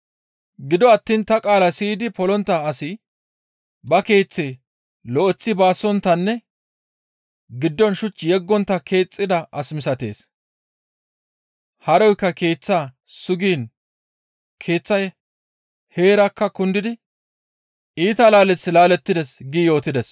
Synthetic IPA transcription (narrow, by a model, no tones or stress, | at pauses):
ɡɪd̪ɔɐt̪ːiːnt̪ɐkʼaːlɐsiːd̪ɪpɔlɔnt̪ːɐːsɪ | bɐke̞ːt͡sːeː | lɔʔɛt͡sːɪbaːsːɔnt̪ːɐnːɛ | ɡɪd̪ːɔnʃʊt͡ʃːjɛɡːɔnt̪ːɐkʰe̞ːt͡sʼːɪd̪ɐʔɐsmɪsɐt̪e̞̰ːs | hɐɾɔjkːɐke̞ːt͡sːaː | sʊɡiːn | kʰe̞ːt͡sːɐj | he̞ːɾɐkːɐkʊnd̪ɪd̪ɪ | iːt̪ɐlaːlɛt͡sːɪlaːlɛt̪ːɪd̪ɛsɡijo̞ːt̪ɪd̪ɛs